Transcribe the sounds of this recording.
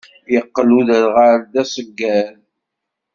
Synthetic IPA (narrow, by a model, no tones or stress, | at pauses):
jəqːəluðəɾʁaɾd̪æsˤəɡːæl